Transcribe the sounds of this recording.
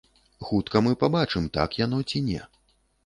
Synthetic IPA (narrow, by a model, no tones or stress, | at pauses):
xut̪kɐmɨpabat͡ʂɨmt̪a̰kjanɔt͡sʲinʲɛ